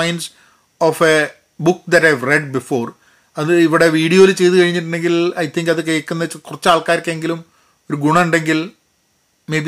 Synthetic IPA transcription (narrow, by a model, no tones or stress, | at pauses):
ɐjns | ofe | bukd̪ɐtɐjʋreɖbifoːr | ɐðɨiʋiɽe̞ʋiːɽijo̞ːilt͡ɕe̞jt̪̬ukɐɻiɲːiʈ̬ːuɳɖe̞ŋɡilɐjt̪ʰiŋɡɐðɨkejkːunːɐt͡ɕːkurɐt͡ɕːaːɭkaːjɾkːɐeŋɡilum | o̞ɾuɡuɳɐuɳɖe̞ŋɡil | mejbi